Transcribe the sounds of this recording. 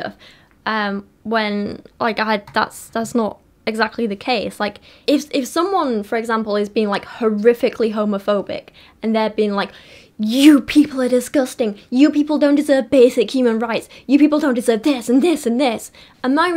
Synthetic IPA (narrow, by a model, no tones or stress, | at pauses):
f | ʔʌ̃m | wə̃nlʔa̰ɪkaɪdða̰tsðætsnəɾ | ɨɡzæk̚tˡliðɨkʰeɪslaɪkɪfɪfsʌ̃mwʌ̃nfə˞ɨɡzæ̃mpl̩ˠɨzbiɪ̃ŋlaɪkhə˞ɪfɨkʰliɦõʊməfoʊbɪ̰k | ɨ̃nðə˞biɪ̃ŋlaɪk | jɨpʰipl̩ˠə˞dɨsɡ̥ʌstɪ̃ŋjɨpipl̩ˠdõʊ̃nd̥ɨzɜ˞vbeɪsɨkhj̥ʉmə̃nɹaɪtsjɨpipl̩ˠdõʊ̃ndɨzɜ˞vðɪsɨ̃nðɪsɨ̃nðɪs | ə̃nmaɪ